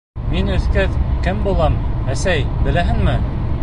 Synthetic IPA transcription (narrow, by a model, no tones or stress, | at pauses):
minɵ̆θkæðkɘmbulˠɑmæsæjbɘ̆læɦɘnmɘ